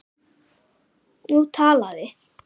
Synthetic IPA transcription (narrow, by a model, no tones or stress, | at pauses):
ɲut̪ʰalaɹe